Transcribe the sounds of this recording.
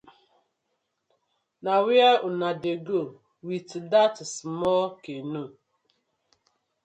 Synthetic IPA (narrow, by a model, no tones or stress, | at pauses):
nawjaʊnadeɡo | witdatsmɔkenu